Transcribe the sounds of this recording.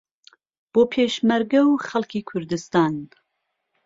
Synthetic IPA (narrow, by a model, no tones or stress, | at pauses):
b̥oːpʰeʃmɐɾɡɐwxɐlˠkʰiːkʰʊɾd̪ɨst̪aːn